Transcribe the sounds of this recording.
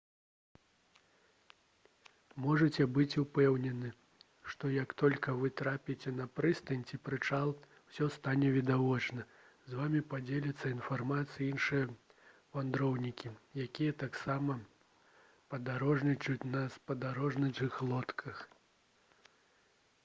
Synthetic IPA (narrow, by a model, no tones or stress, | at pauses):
mɔʐɐt͡sʲɛbɨt͡sʲupɛwnʲɛnɨ | ʂt̪ɔjɐkt̪ɔlʲkɐvɨt̪ɾapʲit͡sʲɛnɐpɾɨst̪ɐnʲt͡sʲipɾɨt͡ʂalˠ | w̥sʲɔst̪anʲɛvʲid̪avɔt͡ʂnɐ | zvamʲipad͡zʲɛlʲɐt̪sːɐinfarmat̪sɨjɐinʂɨjɛ | vand̪ɾɔwnʲikʲijakʲijɐt̪aksamɐ | pɐd̪aɾɔʐnʲit͡ʂut͡sʲnɐspɐd̪aɾɔʐnɐt͡ʂɨxlˠɔt̪kʰɐx